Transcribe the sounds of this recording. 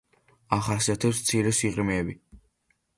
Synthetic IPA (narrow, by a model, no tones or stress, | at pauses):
aχasiat̪ʰɛpst̪sʰiɾɛsiqʼɾmɛːbi